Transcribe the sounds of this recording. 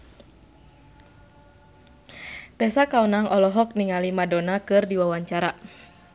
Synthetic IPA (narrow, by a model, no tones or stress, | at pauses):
t̪ɛsakaunaŋʔɔlɔɦɔk̚niŋalimadɔnakɨrdiwawaɲt͡ʃaɾa